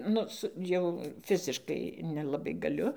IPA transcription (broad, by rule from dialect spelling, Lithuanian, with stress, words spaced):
ˈnʊ ˈsʊ jɛʊ ˈfʲɪzʲɪʃkɐɪ nʲɛlˠɐˈbɐɪ ɡɐˈlʲʊ